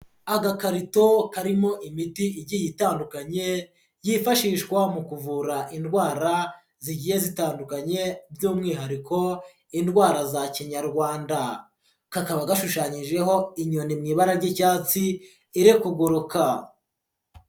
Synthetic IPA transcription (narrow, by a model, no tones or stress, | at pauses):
aɡakaɾito̞kaɾimo̞ʔimitiiɾɟijitaːndukaɲe̞ | jifaʃiːʃkwamukuvuɾaʔindɡwaːɾa | ziɟije̞zitaːndukaɲe̞bjuːmŋiːɦaɾiko̞ | indɡwaːɾazaciɲaɾɡwaːnda | kakaβaɡaʃuʃaːɲiʒe̞ɦo̞iɲonimŋiːβaɾaɾɟicaːt͡si | iɾekuɡoɾoka